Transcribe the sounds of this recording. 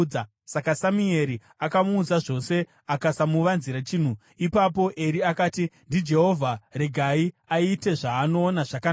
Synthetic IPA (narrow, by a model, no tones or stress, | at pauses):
sakasamue̞ɾi | akamuːd͡zaʐo̞se̞ | akasamuʋanziɾat͡ʃiːn̤u | ipap̬o̞ʔe̞ɾiakaːtindid͡ʒe̞ɦo̞vʱare̞ɡʱaiaite̞ʐaːno̞ːnaʐakaa